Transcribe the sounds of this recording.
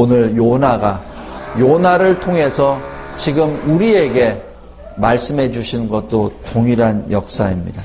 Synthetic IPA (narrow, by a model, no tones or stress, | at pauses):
onɯɭjonaɡajonaɾɯɭtʰoŋɦe̞sʰʌt͡ɕiɡɯmuɾie̞ɡe̞ | maɭs͈ɯmɦe̞d͡ʑuɕʰinɡʌt̚t͈otoŋiɾanjʌk̚s͈aimɲḭda